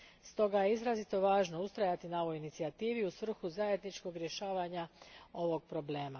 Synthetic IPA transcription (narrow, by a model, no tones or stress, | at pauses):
st̪o̞ɡajeizɾazit̪o̞ʋaːʒno̞ust̪ɾajat̪inao̞ʋo̞jinit̪siat̪iːʋiusʋr̩xuzaje̞d̪nit͡ʃko̞ɡɾje̞ʃaːʋaɲao̞ʋo̞ɡ̚pɾo̞ble̞ːma